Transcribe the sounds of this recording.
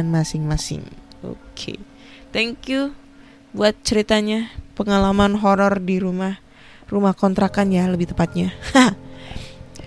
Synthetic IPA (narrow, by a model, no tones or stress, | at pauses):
nmasɪŋmasɪ̰ŋo̰kʰḛ | t̪ɛŋkju | buat̪̚t͡ʃəɾit̪aɲapəŋalamanɦɔɾɔrdiɾumah | rumahkɔnt̪ɾakanjaləbɪht̪əpat̪̚ɲaha